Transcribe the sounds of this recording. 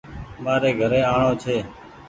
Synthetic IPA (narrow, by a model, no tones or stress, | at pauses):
ɓaːɾeːɡʱəɾeːaːɳoːt͡ʃʰeː